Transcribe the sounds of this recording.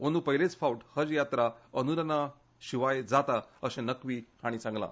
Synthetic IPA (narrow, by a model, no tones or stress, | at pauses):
onupəɦilet͡sfauʈhəd͡zjat̪ɾaənuɾəna | ɕiʋajd͡zat̪aəɕẽnəkʋiːhaɽ̃isãŋɡlã̰